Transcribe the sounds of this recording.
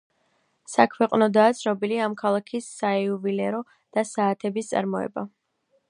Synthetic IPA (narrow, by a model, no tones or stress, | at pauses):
sakʰwɛqʼnɔd̪aːt̪sʰnɔbiliamkʰalˠakʰisːaɛuvilɛɾɔ | d̪̥asaːt̪ʰɛbist̪sʼa̰ɾmɔɛ̰ba